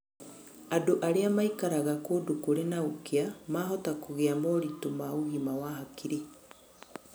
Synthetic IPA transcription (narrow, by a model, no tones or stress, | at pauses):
adoʔaɾeamaikaɾaɣakodukuɾenaukeamaːɦɔtakuɣeamoɾitomauɣimawaɦakiɾi